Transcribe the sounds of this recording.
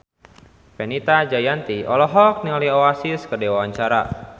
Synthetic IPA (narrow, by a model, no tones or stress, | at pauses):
pɛnit̪ad͡ʒajant̪iʔɔlɔɦɔk̚niŋalioasiskədɛwawaɲt͡ʃaɾa̰